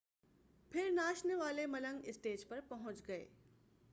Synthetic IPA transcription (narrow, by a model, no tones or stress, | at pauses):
pʰɪɾnaːʃneʋaːlemɐlə̃ŋɡɪsʈeːd͡ʒpɐɾpɐɦʊ̃ɲt͡ʃɡɐḛː